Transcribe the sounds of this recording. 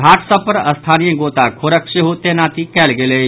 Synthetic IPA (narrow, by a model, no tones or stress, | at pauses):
ɡʱaːʈsapəɾɐst̪ʰaːnijəɡoːt̪akʰoɾəkʃeɦut̪enaːt̪ikɛːlɡele